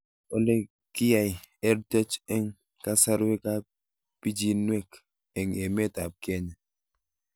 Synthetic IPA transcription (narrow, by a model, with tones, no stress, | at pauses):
o˦le˦ | ki˦ja˨je˦ɾte˦t͡ʃe˦ŋ | ka˦sa˦ɾwe˦ka˦ | pi˦d͡ʒi˦nwe˦k | e˨ŋe˨me˦˨ta˨p̚ke˦ɲe˨